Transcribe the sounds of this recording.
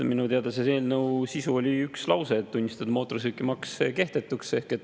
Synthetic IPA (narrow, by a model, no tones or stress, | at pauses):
minut̪eɑd̪esese̞ːlnɤwsisuolʲiykslɑwse̞t̪t̪ːunʲːist̪ɑd̪̥ɑmo̞ːt̪ːˑors̬ykːˑimɑkseke̞ht̪e̞t̪ːˑukse̞hke̞t̪ː